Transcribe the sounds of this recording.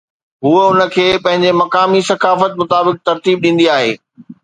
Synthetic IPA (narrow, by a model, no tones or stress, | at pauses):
ɦuːəʊnə̆kʰeːpɐ̃ɦɪ̃ɲd͡ʑemɐkaːmisɐkaːfət̪̚mʊt̪aːbɪk̚t̪ɐɾt̪iːb̚ɗĩːnd̪iaːɦḛː